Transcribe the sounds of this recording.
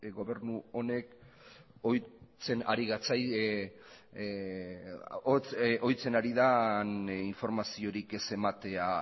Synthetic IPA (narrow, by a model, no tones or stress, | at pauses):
ɡo̞βe̞ɾnuo̞ne̞k | ojt͡se̞na̰ɾiɣat͡saj | t͡sʔo̞jt͡se̞naɾiðaniɱfo̞ɾmasio̞ɾike̞se̞mat̪e̞a